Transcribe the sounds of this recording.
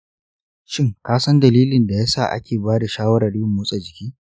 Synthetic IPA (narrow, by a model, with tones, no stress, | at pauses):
ʃɪ˦ŋkaː˦sɐ˦ndɐ˨liː˦lɪ˨nda˨jaː˦sa̰ː˦˨ʔa̰˦kʲeː˨baː˦da˨ʃaː˦wɐ˦ɽɐ˨ɽjʊ˦˨mːʊː˦sʼa˨d͡ʒɪ˨kʲiː˦